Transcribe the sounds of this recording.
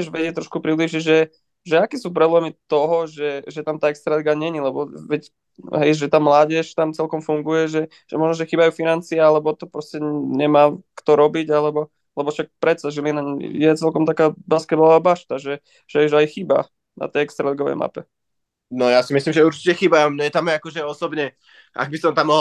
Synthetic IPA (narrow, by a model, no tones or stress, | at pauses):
ʒʋɛɟɪɛc̚t̪ɾɔʃkupɾibliːʒiʒɛ | ʒɛakɛːsuːp̬ɾɛblɛmit̪ɔɦɔʒɛʒɛt̪amt̪aːɛkst̪ɾaliɡaɲɛɲilɛbɔʋɛc | ɦɛjʒɛt̪aːmlaːɟɛʃt̪amt͡sɛlkɔmfuŋɡujɛʒɛ | ʒ̥ɛmɔʒnɔʒɛxiːbajuːfinant͡siaalɛbɔt̪ɔpɾɔscɛɲɛmaːkt̪ɔɾɔbiɟalɛbɔ | lɛbɔʃak̚pɾɛt̪saʒilinaɲjɛt͡sɛlkɔmt̪akaːbaskɛd̪bɔlɔʋaːbaʃt̪aʒɛ | ʒ̥ɛuʒajxiːba̰ | na̰t̪ɛjɛkst̪ɾalɛɡɔʋɛ̰jmʔa̰pɛ | nɔjasimislimʒɛuɾt͡ʃicɛxibaɔmɲɛt̪amɛakɔʒɛɔsɔbɲɛ | ʔa̰ɡ̚bisɔmt̪amːɔɦ